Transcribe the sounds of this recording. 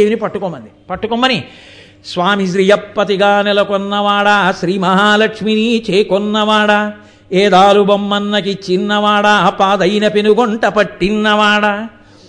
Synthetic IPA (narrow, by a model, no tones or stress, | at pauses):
ʋinipɐʈːukɔmbɐnd̪ipɐʈːukɔmbɐni | sʋaːmis̬ɾijɐpːɐt̪iɡaːnɛlɐkɔnːɐʋaːɽɐʃɾiːmɐɦaːlɐkʂminiːt͡ʃeːkɔnːɐʋaːɽɐ | eːd̪aːlubɐmːɐnːɐkit͡ʃinːɐʋaːɽɐɐpaːd̪ɐjnɐpenuɡɔɳʈɐpɐʈːinːɐʋaːɽɐ